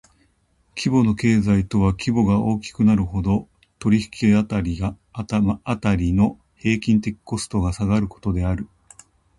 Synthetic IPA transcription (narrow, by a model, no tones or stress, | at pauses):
kʲibo̞no̞ke̞ːzait̪o̞β̞akʲibo̞ɡao̞ːkʲi̥kɯ̟naɾɯ̟ho̞d̪o̞ | t̪o̞ɾʲiçi̥kʲiat̪aɾʲiɡaː | t̪aɾʲino̞ | he̞ːkʲĩnt̪e̞kʲi̥ko̞sɨ̥t̪o̞ɡasaɡaɾɯ̟ko̞̥t̪o̞d̪e̞aɾɯ̟